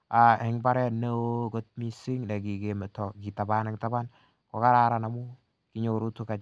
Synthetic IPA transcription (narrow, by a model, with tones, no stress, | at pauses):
a˨hɪ˦ŋba˦ɾɛ˦ne˦oɡo˦t̚mi˦sɪ˦ŋna˨ɡi˨ɡe˨me˨tɔ˨ɡi˨ta˨ba˦na˨kɪta˦ba˦n | kɔ˨ka˦ɾaɾa˨na˨mu˦ | kɪ˦ɲoɾu˦tu˦ka˨d͡ʒ